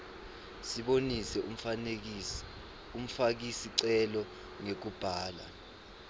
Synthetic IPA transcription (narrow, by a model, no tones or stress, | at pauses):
siɓonisɛ | um̩fak̬isiǀɛlɔ | ŋek̬ub̥ʱaːla̰